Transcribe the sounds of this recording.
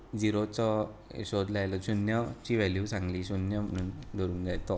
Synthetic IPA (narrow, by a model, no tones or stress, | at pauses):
d͡ziɾot͡sɔ̰ɕod̪lajlɔt͡ɕunjət͡ɕiʋɛljusãŋɡliːɕunjəm̤əɽ̃uːnd̪ʱɔɾuːnd͡zajt̪ɔ